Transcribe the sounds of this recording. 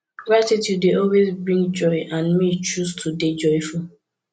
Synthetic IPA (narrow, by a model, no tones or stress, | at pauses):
ɡɹatitjudeɔlwezbɹĩŋd͡ʒɔiʔãnmit͡ʃustʰuded͡ʒɔɪful